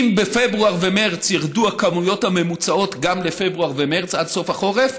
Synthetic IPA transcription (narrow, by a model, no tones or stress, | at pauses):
mbefebʁuaʁvemeʁt͡sjiʁduakamujo̞thame̞mut͡sao̞t̪ɡamlefebʁuaʁvemeʁt͡sadso̞faχo̞ʁe̞f